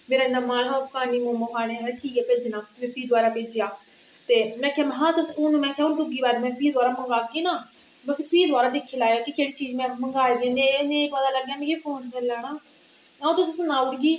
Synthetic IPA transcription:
meːɾaːɪnːaːmãːlɦakaːniːmõːməkaːɽeːaʈʰiːkɛːpeːd͡ʒnãːmɛ̃ːpiːd̪waːɾaːpeːd͡ʒɪjaː | t̪eːmɛ̃ːkʰjaːmɦãːt̪əsʊːnũːmɛ̃ːkʰjaːʊnʈʊɡiːbaːɾmɛ̃ːpʰiːd̪waːɾaːməŋɡaːkiːnaː | bəspʰiːd̪ʊaːɾaːd̪ɪkʰːeːlaːjaːkɪkeːɽiːt͡ʃiːd͡ʒmɛ̃ːməŋɡaːd̪ãːẽnẽːkʋaːd̪aːləɡjaːmɛ̃keːpʰoːnt͡ʃəlaːɽaː | aːũːt̪ʊsĩːsənaːʊɾɡiː

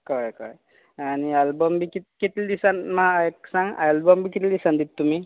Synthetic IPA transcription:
kɔjkɔ̰j | anialbɔmbikit̪̚kit̪ld̪isanmaajksaŋa̰jlbɔmbikit̪ld̪isand̪it̪̚t̪ːumi

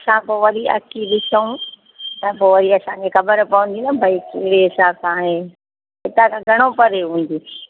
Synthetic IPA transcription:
ɐsãpoːʋɐɾiʔɐ̰kiɗɪsʰəũ | t̪ɐpoːʋɐɾiɐsãːɲd͡ʑexɐbəɾpɐʋə̃n̆d̪inɐbʱɐikɪɦɪɽeɦɪsaːsaːɦeː | ɦɪt̪ãkʰãɡʱɐɽ̃opɐɾeɦũːn̆d̪iː

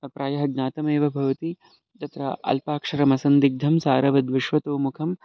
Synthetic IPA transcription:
ɐpɾaːjɐɦɐɡ̚ɲaːt̪ɐmeːʋɐbʱɐʋɐt̪i | d͡ʒ̪ɐt̪ɾɐ̰ʔɐ̰lpaːkʂɐɾɐmɐsɐnd̪iɡ̚d̪ʱɐmsaːɾɐʋɐd̪ʋɪʃʋɐt̪oːmukʰɐm

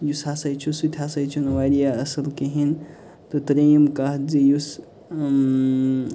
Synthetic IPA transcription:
jusasajt͡ʃʰusut̪ʰʲasajt͡ʃʰunʋaɾijaɐsɐlkeɦin | t̪ot̪ɐɾemkaɦzijus

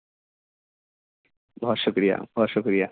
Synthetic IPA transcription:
bʱɔʃəkɾija̰bʱɔʃəkɾija

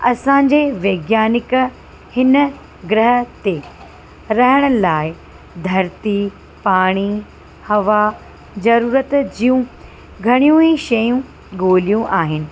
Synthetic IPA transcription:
ɐsãɲ̆d͡ʑeʋeːɡjaːnɪk | hɪnə | ɡɾəɦət̪e | ɾɐɦəɽ̃ə̆laːɪ | d̪ʱɐɾt̪i | paːɽ̃i | hɐʋa | zɐɾuːɾət̪d͡ʑijũ | ɡʱɐɽ̃ijũẽʃɐjũ | ɠoːlijũʔaːɦɪnɪ̆

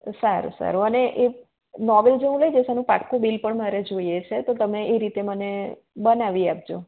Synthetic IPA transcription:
saɾ̰sa̰ɾoəneʔe | nɔʋeld͡ʒeɦũləjd͡ʒesanũpa̰ʈkubilpəɳmaɾed͡ʒoiet͡ʃʰet̪ot̪əmeʔeɾit̪eməne | bənaʋiap̚d͡ʒo

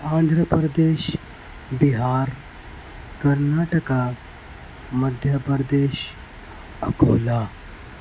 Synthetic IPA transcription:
ãːnd̪ʱɾəpɾəd̪eːɕ | biɦaɾ | kəɾnaːʈəka | məd̪ʱjəpɾd̪eɕ | əɡoːla

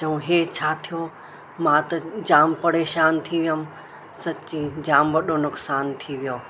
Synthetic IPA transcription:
t͡ʃɐũɦeːt͡ɕʰaːt̪ʰijo | mãːt̪ɐd͡ʑaːmpɐɽeːʃaːnt̪ʰiʋijəm | sɐt͡ʃid͡ʑaːmʋɐɗonʊksaːnt̪ʰiʋijoː

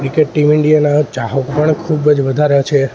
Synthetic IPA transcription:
kɾikeʈʈimɪɳɖijanat͡ʃaɦopəɳkʰubəd͡ʒʋəd̪ʱaɾat͡ʃʰe

